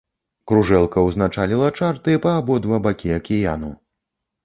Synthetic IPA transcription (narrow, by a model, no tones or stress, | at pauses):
kɾuʐɛlˠkɐwznat͡ʂalʲilˠɐt͡ʂart̪ɨpɐːbɔd̪vabakʲiɐkʲija̰nṵ